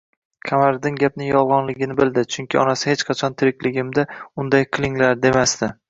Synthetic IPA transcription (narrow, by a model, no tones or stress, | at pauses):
kʲʰamaɾd̪ɪŋɡʲap̚nɪjɒlˠʁɒnlɪɡʲɪnɪbɪld̪ɪt͡ʃʰʊŋkʲɪɒ̰nasɪhet͡ʃqʰɑt͡ʃʰɒnt̪ʰɪɾɪkʲlɪɡʲɪmd̪aʊnd̪ajqʰɨlˠɪŋlaɾd̪e̞masd̪ɪ